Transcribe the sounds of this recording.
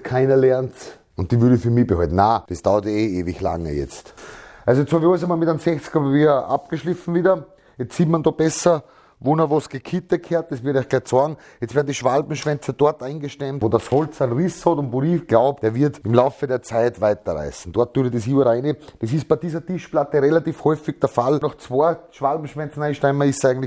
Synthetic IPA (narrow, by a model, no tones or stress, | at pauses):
kʰaɪnɐlɛɐnt | ʊnt̚d̥iːvyɐdəfyɐmibəhɔ̰ltn̩naːd̥esd̥aʊɐteeːvɪçla̰ŋə̰jɛ̰t͡stʔalsojet͡sthɔvjɔɪsamoːlmɪtansɛxt͡skəpapiːʔa̰p̚ɡ̥əʃlɪfn̩viːdɐ | jɛt͡ssiːtmandob̥ɛsɐ | vonɐʋosɡ̥ekʰit̪əkʰeːɐt̚d̥esvɪɐɾəæɪxɡ̥læɪçsɔɐɡŋ̩ | jɛtt͡stvɛɐdnd̪iʃvalbm̩ʃvɛnt͡sɐd̥ɔɐtaɪnɡəʃtɛmtodashɔlt͡saɪnʁishɔtʊntvoiɡ̥laʊpd̥eːɐvɪɐtɪmlaʊfədeːɐt͡saɪtvaɪtɐʁa̰ɪsn̩d̥ɔɐt̚d̥uːədesyəɾaɪned̥es̬ist̚b̥æɪd̥iːzɐtiʃplatəʁelatiːfhɔʏfɪɡ̚d̥ɛɐfalnɔxt͡svoɐʃvalbm̩ʃvɛnt͡sn̩æɪnʃtɛɪmɐɪsæɪɡŋ̩tlɪ